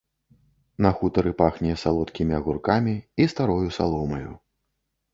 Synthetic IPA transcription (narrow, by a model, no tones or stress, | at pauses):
nɐxut̪ɐɾɨpaxnʲɛɛsalˠɔt̪kʲimʲiɐɣurkamʲiist̪aɾɔjusa̰lˠɔmɐjṵ